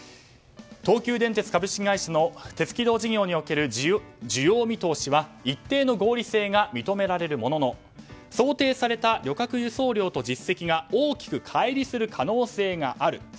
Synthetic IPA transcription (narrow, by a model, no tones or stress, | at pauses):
t̪o̞ːkʲɨːd̪ẽ̞nt̪e̞t͡sɨ̥kabɯ̟ɕkʲiɡaiɕano̞t̪e̞t͡sɨ̥kʲid̪o̞ːʑiɡʲo̞ːɲ̟io̞ke̞ɾɯ̟d͡ʑɨjo̞ːmʲit̪o̞ːɕiβait̪ːe̞ːno̞ɡo̞ːɾʲise̞ːŋamʲit̪o̞me̞ɾaɾe̞ɾɯ̟mo̞no̞no̞ | so̞ːt̪e̞ːsaɾe̞t̪aɾʲo̞kakɯ̟jɯ̟so̞ːɾʲo̞ːt̪o̞ʑisːe̞kʲiɡaoːkʲi̥kɯ̟kʰaiɾʲisɨɾɯ̟kʰano̞ːse̞ːŋaʔaɾɯ̟